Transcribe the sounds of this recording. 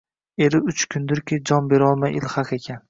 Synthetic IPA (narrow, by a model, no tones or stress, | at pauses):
e̞ɾɪʊt͡ʃkʰʊnd̪ɪɾkʲɪd͡ʒɒnbe̞ɾɒlˠmajʔɪlχaqe̞kʲʰan